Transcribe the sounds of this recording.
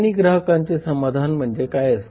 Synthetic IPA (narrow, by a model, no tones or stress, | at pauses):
ɽ̃iɡɾaɦəkaɲt͡sesəmad̪ʱanm̤əɳd͡zekajəs